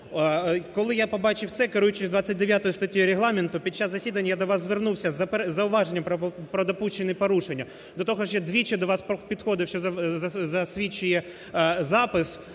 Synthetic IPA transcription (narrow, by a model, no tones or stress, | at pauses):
kɔlˠɪjapɔbɑt͡ʃɪwt̪sɛkɪɾujʊt͡ʃɪsʲzʲd̪ʋat͡sʲːɐt̚ʲd̪eʋʲjat̪ɔjʊst̪ɔtʲijiɾeɦlˠɑmɪnt̪ʊpʲid̪̚t͡ʃːaszɐsʲid̪ɐnʲːjad̪ɔʋɑzzʋernuwsʲɐzɐpezɐʊʋɑʒenʲːɐpɾɔpɾɔd̪ɐpuʃt͡ʃɪnɪpɔɾuʃenʲːɐ | d̪ɔt̪ɔɦɔʃjad̪ʋʲit͡ʃɛd̪ɔʋɑsppʲid̪xɔd̪ɪwʃt͡ʃɔzɐzɐzɐsʲʋʲit͡ʃːʊjɛ | zɑpɪs